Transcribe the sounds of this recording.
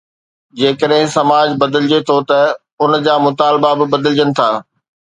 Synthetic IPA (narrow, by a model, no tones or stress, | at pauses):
d͡ʑeːkəɗɦɪ̃sɐmaːd͡ʑbɐd̪əlɪd͡ʑet̪ʰot̪ɐ | ʊnd͡ʑaːmʊt̪aːlbabɪbɐd̪əld͡ʑənɪ̆t̪ʰaː